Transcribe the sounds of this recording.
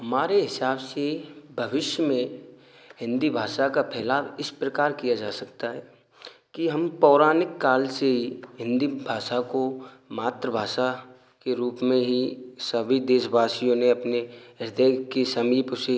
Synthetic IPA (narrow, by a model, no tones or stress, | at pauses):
ɦɐmaːɾeɦɪsaːbsebʱəʋɪʃjəmẽ | ɦɪ̃nd̪ibʱaːʃakapʰɛːlaːʋɪspɾəkaːɾkijad͡ʒaːsɐkt̪aɦɛː | kiɦɐmpɔːɾaːnɪkːaːlseɦiɦɪ̃nd̪ibʱaːʃakomaːt̪ɾəbʱaːʃa | keɾuːpmẽɦisəbʱid̪eːʃbaːsijõneɐpneɦɪɾd̪əkesɐmiːpse